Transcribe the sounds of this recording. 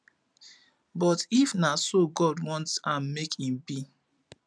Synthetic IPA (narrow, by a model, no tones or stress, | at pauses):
bɔtifnasoɡɔdwɔ̃ntãnmekhĩmbi